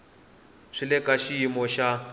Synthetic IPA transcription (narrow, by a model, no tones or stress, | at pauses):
ʂilɛkʼaʃiimɔʃa